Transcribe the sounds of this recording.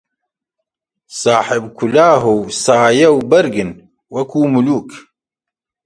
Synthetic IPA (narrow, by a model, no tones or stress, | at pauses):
saːħɪbkʰulaːɦuwsaːjɐwbɐɾɡɨn | wɐkuːmuluːk